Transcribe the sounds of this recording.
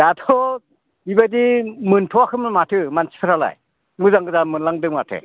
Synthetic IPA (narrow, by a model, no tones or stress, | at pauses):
datʰɔ | ibadimɯntʰɔakʰɯmmatʰɯmansi̥pʰɾʰala̰j | mɯzaŋɡɯzamɯnlaŋdɯmatʰɯ̰